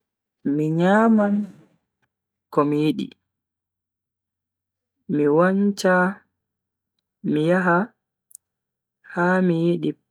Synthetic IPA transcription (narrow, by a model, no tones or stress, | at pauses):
miɲaːmam | kɔmijiɗḭ | miwaɲt͡ʃa | mijaɦa | haːmijiɗi